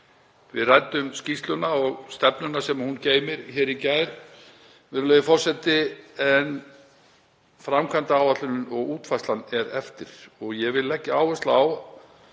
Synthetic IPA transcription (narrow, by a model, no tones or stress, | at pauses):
vɪðrajt̪ʏmscist̪lʏnaɔɣst̪ɛpnʏnasɛmahunceːjmɪɾ̥çɛːɾicaːjɾ | vɪɾʏlœːjðʏfɔr̥sɛt̪ɪɛn | fɾamkʰant̪aawvat̪lʏnʏnɔɣuːt̪fajstlanɛɾɛft̪ɪɾ̥ɔɣjɛvɪlːɛhcːɪaːwvɛst̪laaw